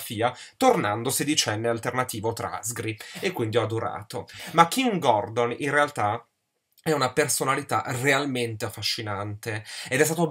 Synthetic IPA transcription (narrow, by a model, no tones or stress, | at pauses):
fiːa | t̪ornand̪osed̪it͡ʃɛnːealt̪ernat̪iːvot̪ɾa̰zɡɾiekːwind̪iɔd̪uɾa̰ːt̪omakːiŋɡɔrd̪onḭnrealt̪a | ɛunapersonalit̪a̰realment̪eafːaʃːinant̪eed̪ɛs̬t̪aːt̪o